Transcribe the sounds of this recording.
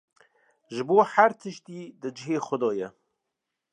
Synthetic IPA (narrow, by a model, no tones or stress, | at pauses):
ʒɨboːħaɾt̪ʰəʃt̪iːd̪ɨd͡ʒɪɦeːxʷʊd̪ɔːjɛ